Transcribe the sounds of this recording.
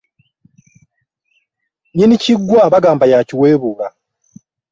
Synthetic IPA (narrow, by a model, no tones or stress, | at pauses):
ɲiniciɡːwaβaɡaːmbajaciwe̞ːβuɣa